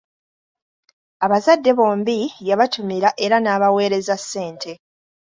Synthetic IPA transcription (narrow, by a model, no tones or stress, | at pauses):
aβazadːe̞βo̞ːmbijaβatumiɾaʔe̞ɾanaːβawe̞ːɾe̞zasːe̞ːntʰe̞